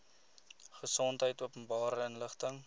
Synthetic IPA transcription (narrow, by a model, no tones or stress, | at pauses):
χəsɔntɦəjtuəpənbɑːɾəənləχtəŋ